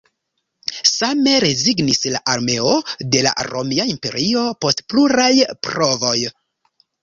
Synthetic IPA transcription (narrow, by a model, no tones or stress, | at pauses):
same̞ɾe̞ziɡnislaʔaɾme̞o̞de̞la̰ɾo̞̰miaimpe̞̰ɾʔio̞po̞stpluɾajpɾo̞vo̞j